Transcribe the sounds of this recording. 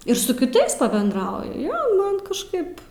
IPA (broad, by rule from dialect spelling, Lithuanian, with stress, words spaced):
ɪr sʊ kʲɪˈtɐɪs pɐbʲɛndˈrɐʊjʊ ˈjoː ˈmɐn kɐʃˈkɐɪp